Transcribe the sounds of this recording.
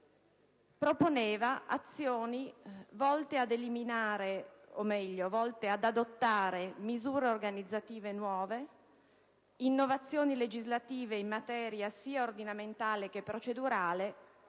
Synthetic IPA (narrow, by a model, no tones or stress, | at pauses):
pɾoponeːvaʔa̰t̪sːjoːnivɔlt̪ead̪eliminaːɾeomɛʎːovɔlt̪ead̪ad̪ot̪ːaːɾemizuːɾeorɡanid̪zːat̪iːvenwɔːve | inːovat̪sːjoːniled͡ʒizlat̪iːveimːat̪ɛːɾjasiːaord̪inament̪aːlek̟epːɾot͡ʃed̪uɾaːle